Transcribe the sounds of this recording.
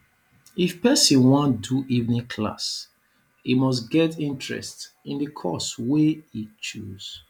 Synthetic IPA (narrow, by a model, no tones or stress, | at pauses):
ifpɛsĩnwɔ̃ntduʔivnĩkʰla̰s | imɔs̬ɡɛtĩntɹɛ̰st | ĩndəkʰɔ̰sweit͡ʃuz̥